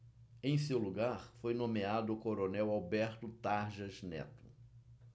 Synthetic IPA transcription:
ẽj̃sewluɡaɾfojnõmead̪ʊːkoɾonɛwawbɛɾt̪ʊt̪aɾʒɐznɛ̰t̪ʊ̥

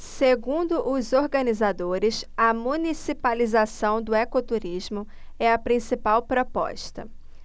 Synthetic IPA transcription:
seɡũd̪ʊʔʊzoɾɡɐ̃nizad̪oɾɪsɐmũnisipalizasɐ̃w̃d̪ʊɛkot̪uɾizmʊ | ɛɐpɾĩsipawpɾopɔ̰ʃt̪ɐ̰

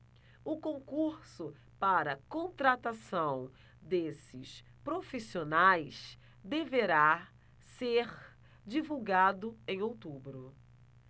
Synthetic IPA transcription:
ʊkõkuɾsʊ | paɾɐkõt̪ɾat̪asɐ̃w̃ | d̪esɪ̰s | pɾofisionajs | d̪eveɾa | seɾ | d͡ʒivuwɡad̪ʊẽj̃owt̪ubɾʊ

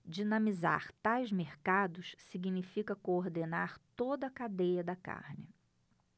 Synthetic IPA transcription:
d͡ʒinɐ̃miza̰ɾt̪ajzmeɾkad̪ʊssiɡinifikɐkoːɾd̪enaɾt̪od̪ɐkad̪ejɐd̪ɐka̰ɾnɪ

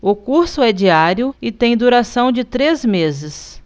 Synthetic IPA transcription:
ʊkuɾsʊɛd͡ʒiaɾjʊɪt̪ẽj̃d̪uɾasɐ̃w̃d͡ʒɪt̪ɾezmezɪs

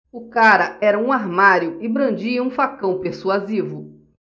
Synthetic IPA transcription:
ʊkaɾɐɛɾɐũaɾmaɾjʊɪbɾɐ̃nd͡ʒiɐũfakɐ̃w̃peɾsuazivʊ

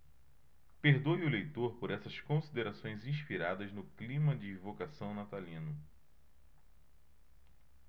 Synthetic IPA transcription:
peɾd̪ojʊlejt̪oɾpoɾɛsɐskõsid̪eɾasõj̃zĩʃpiɾad̪ɐznʊklĩmɐd͡ʒɪvokasɐ̃w̃nat̪alĩnʊ

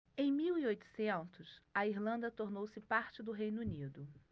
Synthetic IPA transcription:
ẽj̃miwiojt̪ʊ̥sẽnt̪ʊsɐiɾlɐ̃nd̪ɐt̪oɾnowsɪpaɾt͡ʃɪd̪ʊɦej̃nunid̪ʊ

